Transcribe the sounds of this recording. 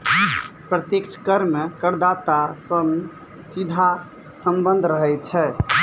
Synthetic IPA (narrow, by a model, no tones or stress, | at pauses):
pɾət̪jekt͡ʃʰkəɾmekəɾd̪at̪as | sid̪ʱa | səmbənd̪ʱɾəɦɛjt͡ʃʰɛ